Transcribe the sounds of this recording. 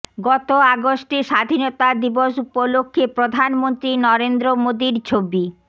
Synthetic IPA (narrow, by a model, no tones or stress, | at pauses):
ɡɔt̪oaɡosʈiʃad̪ʱinot̪ad̪iboʃupolokʰːepɾod̪ʱanmont̪ɾinɔɾend̪ɾomod̪iɾt͡ɕʰobi